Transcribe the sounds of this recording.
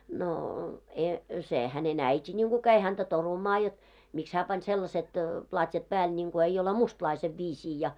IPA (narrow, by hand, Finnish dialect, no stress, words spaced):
noː e se hænen æiti nʲiŋɡ̊u kæi hæntæ torumɑː jot miks hæː pɑn selːɑset plɑtʲjɑt pæːl nʲiŋɡ̊o eij̆ ole mustlɑiseʋ ʋiːsiː jɑ